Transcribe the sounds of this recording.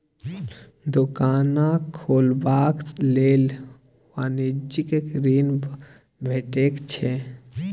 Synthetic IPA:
d̪ʊkaːnakʰoːlbaːkleːl | ʋaːnid͡ʒikekɾiːn | bʱeːʈeːkt͡ʃʰe

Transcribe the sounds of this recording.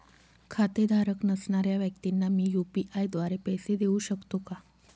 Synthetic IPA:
kʰat̪ed̪ʱaɾəknəsɳaɾjaʋjək̚t̪inːamiːjupiʔajd̪ʋaɾepɛjsed̪eũɕəkt̪oka

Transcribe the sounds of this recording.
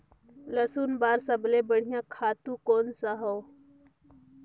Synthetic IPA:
ləsuːnbaːɾsəblebəɽ̤ɪjãkʰaːt̪ũkoːnsaɦoː

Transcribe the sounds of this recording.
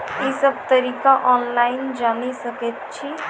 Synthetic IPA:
jesəb̚t̪əɾiːkaʔɔːnlaːɪnd͡ʒaːnisəkət̪̚t͡ʃʰi

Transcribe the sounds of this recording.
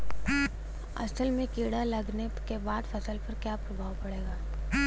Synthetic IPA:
ɐ̰səlmẽkiːɽalɐɡnekebaːd̪fɐsəlpɐɾkjaːpɾɐbʱaːʋpɐɽeːɡaː

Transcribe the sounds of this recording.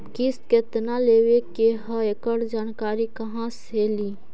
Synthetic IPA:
kisket̪naleːʋekeɦəekəɽd͡ʒaːnkaːɾikɐɦãseliː

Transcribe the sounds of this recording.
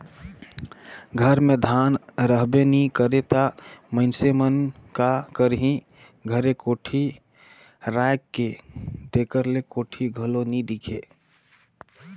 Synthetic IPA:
ɡʱəɾmed̪ʱanɾəɦbenikəɾet̪aməɪnsemənkakəɾɦĩ | ɡʱəɾekoːʈʰi | ɾajkːed̪ekəɾlekoːʈʰiɡʱəlonid̪ikʰe

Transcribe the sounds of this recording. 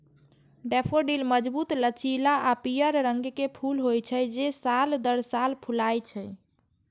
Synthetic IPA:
ɖepʰoɖilməd͡ʒbut̪lət͡ʃilaʔapijəɾːəŋɡkepʰulɦojt͡ʃʰəd͡ʒesald̪əɾsalpʰulajt͡ʃʰə

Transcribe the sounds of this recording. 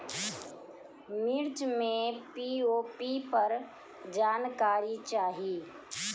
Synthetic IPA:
mɪɾt͡ʃmẽpioːpipəɾ | d͡ʒaːnkaːɾit͡ʃaːɦiː

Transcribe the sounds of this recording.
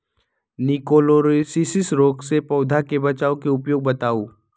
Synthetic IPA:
nɪkoːloɾsisɪsɾoːksepɔːd̪ʱakebɐt͡ʃaːõkeʊpjoːɡ̚bɐt̪aːoː

